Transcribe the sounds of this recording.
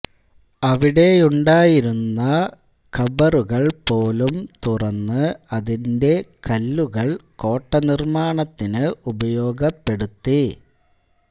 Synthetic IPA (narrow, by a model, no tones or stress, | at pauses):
ɐʋiɽe̞uɳɖaːjiɾunːɐ | kɐbɐruɣɐɭpo̞ːlumt̪urɐnːɨɐðinde̞kɐlːuɣɐɭko̞ːʈːɐnirmaːɳɐt̪ːinɨʔubɐjo̞ːɡɐpːe̞ɽut̪ːi